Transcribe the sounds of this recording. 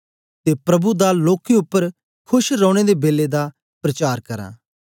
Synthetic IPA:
t̪eːpɾɐbud̪aloːkeʊpːəɾ | kʰʊʃɾɔ̃ːɽ̃ed̪eːbeːled̪a | pɾɐt͡ʃaːɾkɐɾã̰ː

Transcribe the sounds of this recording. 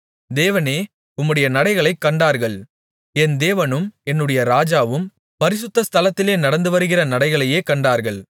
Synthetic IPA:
d̪eːʋɐneː | ʊmːɯɽɐjɐnɐɽɐɪɣɐɭɐɪkːɐɳɖaːɾɣɐɭ | ɛnd̪eːʋɐnɯmɛnːɯɽɐjɐɾaːd͡ʒaːʋɯm | pɐɾɪs̬ʊt̪ːɐst̪ʰɐlɐt̪ːɪleːnɐɽɐnd̪ɯʋɐɾɯɣɪrɐnɐɽɐɪɣɐɭɐjeːkɐɳɖaːɾɣɐɭ

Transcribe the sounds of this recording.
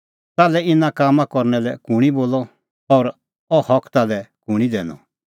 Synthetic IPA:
t̪aːlɛɪnãkaːmãkɔɾnɛlɛkuɽ̃iboːlɔ | ɔɾ | ɔhɔkʰt̪aːlɛkuɽ̃id̪ɛːnɔ̰

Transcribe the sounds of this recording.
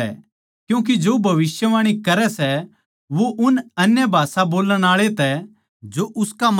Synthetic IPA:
ɛ̰ | kjũːk̬id͡ʒoːbʱɐʋɪsjəʋaːɽ̃ikɐɾɛsɛ | ʋoʔʊnɐnjəbʱaːsaboːləɽ̃aːɭet̪ɛ | d͡ʒoʔʊskam

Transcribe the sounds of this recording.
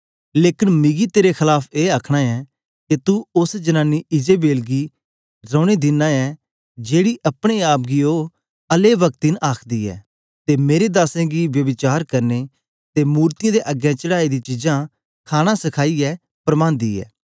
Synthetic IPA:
leːkɪnmɪɡiːt̪eːɾekʰɪlaːpʰeːaːkʰɽ̃ãːɛː | ket̪uʊsd͡ʒənãːnːiʔɪd͡ʒeːbeːlɡiː | ɾəːɽ̃eːd̪ɪnːãːɛː | d͡ʒeːɽiːʔəpɽ̃eːaːp̚ɡiːoː | əleːʋək̚t̪inʔaːkʰd̪iːɛ̰ː | t̪eːmeːɾed̪aːsẽːɡiːʋjəʋɪt͡ʃaːɾkəɾneː | t̪eːmuːɾt̪ɪjãːd̪eːʔəɡjãːt͡ʃəɽaːid̪iːt͡ʃɪd͡ʒãː | kʰaːɽ̃ãːsɪkʰaːiːɛː | pɾəmãːnd̪ḭːɛ̰ː

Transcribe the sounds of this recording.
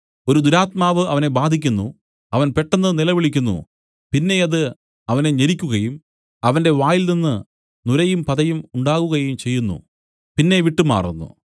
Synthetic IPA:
o̞ɾud̪uɾaːt̪maːʋɨɐʋɐne̞baːd̪ʱikʲːunːṵ | ɐʋɐnpe̞ʈːɐnːɨnilɐʋiɭikʲːunːṵ | pinːe̞ɐðɨ | ɐʋɐne̞ɲeɾikʲːuɣɐjum | ɐʋɐnde̞ʋaːjilninːɨ | nuɾɐjumpɐðɐjumuɳɖaːɣuɣɐjumt͡ɕe̞jːunːṵ | pinːe̞ʋiʈːuma̰ːrṵnːṵ

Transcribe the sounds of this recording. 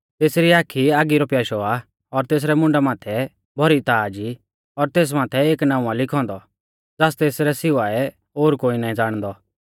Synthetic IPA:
t̪eːsɾiaːkʰiaːɡiɾɔpjaːʃɔa | ɔɾt̪eːs̬ɾɛmʊ̃ɳɖamaːt̪ʰɛ | bʱɔɾit̪aːd͡ʒi | ɔɾt̪eːs̬maːt̪ʰɛeːknãːũalɪkʰɔ̃ːnd̪ɔ | d͡zaːst̪eːsɾɛsɪʋaɛ | oːɾkoːinaːĩd͡zaːɽ̃d̪ɔ

